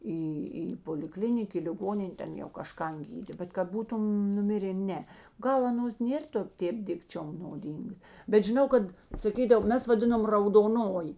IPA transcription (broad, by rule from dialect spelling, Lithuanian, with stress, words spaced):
ˈiː iː poːlʲɪˈklʲɪnʲɪk iː lʲɪˈɡoːnʲɪnʲ ˈtʲɛn jɛʊ kɐʃˈkɐn ˈɡʲiːdʲeː bʲɛt kɐt ˈbuːtʊn nʊˈmʲɪrʲeː ˈnʲɛ ˈɡɐlˠ ɐˈnoːs ˈnʲeːr toː ˈtʲeːp ˈdʲɪkt͡ʃʲoːm noːˈdʲiːŋɡɐs bʲɛt ʒʲɪˈnɐʊ ˈkɐt sɐˈkʲiːdɐʋoː ˈmʲɛs ʋɐˈdʲɪnoːm rɐʊdoːˈnoːjɪ